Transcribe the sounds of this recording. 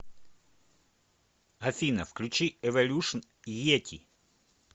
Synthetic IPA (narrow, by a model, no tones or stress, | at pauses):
ɐfʲinɐfklʲʉt͡ɕiɛʋɐlʲuʂən | jetʲi